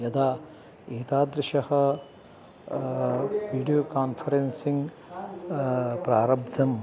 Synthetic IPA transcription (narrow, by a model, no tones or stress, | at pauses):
jɐd̪aː | iːt̪aːd̪ɾɪʃɐhɐ̆ | ʋiːɖijoːkaːnfʰɐɾensiŋɡ | pɾaːɾɐb̚d̪ʱɐm